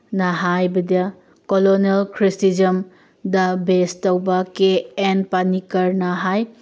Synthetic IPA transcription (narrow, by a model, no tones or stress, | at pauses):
nɐɦajbɐdɐ | koloniɐlkʰɾistid͡ʒɐm | dɐbestɐwbɐkeːnpanikɐɾnɐɦaj